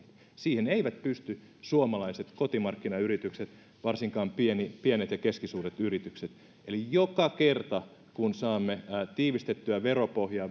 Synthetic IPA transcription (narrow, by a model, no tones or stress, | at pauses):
t̪ | siːheneiʋæt̪̚pyst̪y | suomɑlɑiset̪kot̪imɑrkːinɑyɾit̪ykset̪ | ʋɑrsiŋkɑːmpienipiænet̪jɑkeskisuːret̪yrit̪ykset̪ | ʔelijokɑkert̪ɑ | kunsɑːmːet̪iːʋist̪et̪ːyæʋeropohjɑː